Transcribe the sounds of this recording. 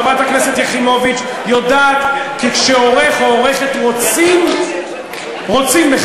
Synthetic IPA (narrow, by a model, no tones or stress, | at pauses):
bat̪hakneset̪jeχimo̞vit͡ʃ | jodaːt̪kikʃeo̞ʁeχooʁeχet̪ʁot͡sim | ʁo̞t͡simle